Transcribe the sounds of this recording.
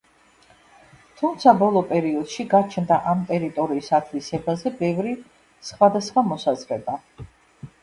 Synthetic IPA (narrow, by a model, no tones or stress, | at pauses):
t̪ʰumt̪sʰabɔlˠɔpʼɛɾiɔd̪̥ʃiɡat͡ʃʰnd̪aʔamt̪ʼɛɾit̪ʼɔɾiːsat̪ʰlisɛbazɛbɛvɾi | sχwad̪asχwamɔsazɾɛba